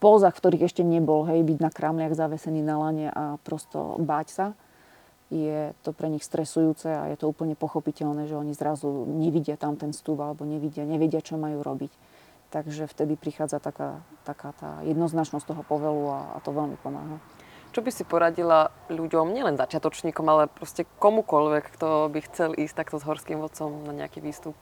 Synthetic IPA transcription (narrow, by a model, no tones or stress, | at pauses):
pɔːzaxft̪ɔɾiːɣɛʃcɛɲɛbɔlɦɛjbiɟnakɾaːmlɪaɣzaʋɛsɛniːnalaɲɛʔapɾɔst̪ɔ̰baːcsa | jɛt̪ɔpɾɛɲixst̪ɾɛsujuːt͡sɛa̰jɛ̰t̪ɔuːpl̩ɲɛpɔxɔpicɛʎnɛːʒɛɔɲizɾazuɲɛʋiɟɪat̪amt̪ɛnfst̪uːbalɛbɔɲɛʋiɟɪaɲɛʋɛɟɪat͡ʃɔmajuːɾɔbic | t̪aɡʒɛft̪ɛd̪ipɾixaːd͡zat̪aka̰t̪akaːt̪a̰ːjɛd̪nɔznat͡ʃnɔstt̪ɔɦɔpɔʋɛlua̰a̰t̪ɔʋɛlmḭpɔma̰ːɦa | t͡ʃɔbisipɔɾaɟilaʎuɟɔmɲɪɛlɛnzat͡ʃɪat̪ɔt͡ʃɲiːkɔmalɛpɾɔscɛkɔmukɔʎʋɛkːt̪ɔbixt͡sɛliːsct̪akt̪ɔzɦɔɾskiːmʋɔt͡sɔmnaɲɛ̰akiʋiːst̪up̚